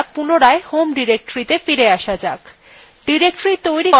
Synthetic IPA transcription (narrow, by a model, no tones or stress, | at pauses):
k̚punoɾaehomɖiɾek̚ʈoɾit̪efiɾeaʃad͡ʑak | ɖiɾek̚ʈɾit̪ojɾi